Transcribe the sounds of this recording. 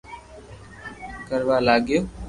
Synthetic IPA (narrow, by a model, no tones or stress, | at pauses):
kəɾʋaːlaːɡjoː